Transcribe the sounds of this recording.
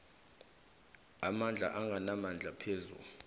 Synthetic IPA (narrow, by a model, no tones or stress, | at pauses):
amand͡ɮʱa̰ʔaŋɡʱanamand͡ɮʱapʰeːzṵ